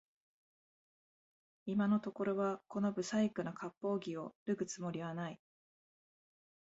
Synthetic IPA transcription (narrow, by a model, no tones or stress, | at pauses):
imano̞t̪o̞ko̞ɾo̞βako̞no̞bɯ̟saikɯ̟nokʰapːo̞ːɡʲio̞ɾɯ̟ɡɯ̟t͡sɨmo̞ɾʲiβ̞anai